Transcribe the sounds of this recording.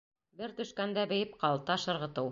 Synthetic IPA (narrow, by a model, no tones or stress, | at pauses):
bɘɾt̪ɵ̆ʃkænd̪æbɘ̆jɘp̚qɑlˠt̪ɑʃɤ̆ɾʁɤ̆t̪ɤw